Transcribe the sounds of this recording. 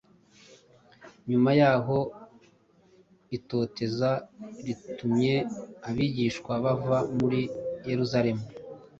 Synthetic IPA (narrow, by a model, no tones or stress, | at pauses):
ɲumajaːɦo̞ | ito̞ːte̞zaɾitumɲe̞aβiɟiːʃkwaβavamuɾije̞ɾuzaɾe̞mu